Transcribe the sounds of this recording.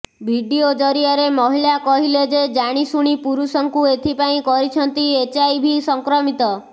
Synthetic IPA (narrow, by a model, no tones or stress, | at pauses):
bʱiɖiod͡ʒɔɾijaɾemɔɦilakɔɦiled͡ʒed͡ʒaɽ̃isuɽ̃ipuɾusɔŋkuet̪ʰipaĩkɔɾit͡ʃʰɔnt̪iet͡ʃajbʱisɔŋkɾɔmit̪ɔ